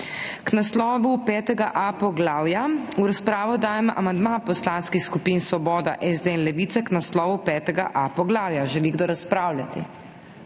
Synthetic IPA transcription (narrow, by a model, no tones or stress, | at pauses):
knaslɔːʋupɛːt̪ɛɡaʔapɔɡlaːwjauɾaspɾaːʋɔd̪aːjɛmʔa̰mand̪mapɔslaːnskixskupiːnsʋɔbɔːd̪a̰ʔɛzd̪enlɛʋiːt̪saknaslɔːʋupɛːt̪ɛɡa̰ʔapɔɡlaːwjaʒɛliɡd̪oɾaspɾaːwlʲjat̪ḭ